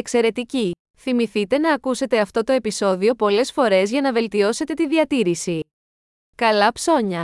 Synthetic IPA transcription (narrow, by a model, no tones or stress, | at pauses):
ekse̞ɾe̞t̪ici | θimiθit̪e̞nɐːkuse̞t̪e̞ɐft̪o̞t̪o̞e̞piso̞ðio̞po̞le̞sfo̞ɾe̞zʝɐnɐve̞lt̪io̞se̞t̪e̞t̪iðiɐt̪iɾisi | kɐlɐpso̞ɲɐ